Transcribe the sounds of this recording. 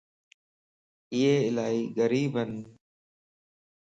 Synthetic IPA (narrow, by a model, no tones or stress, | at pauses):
ɪeːɪlaːiːɣəɾiːbʱən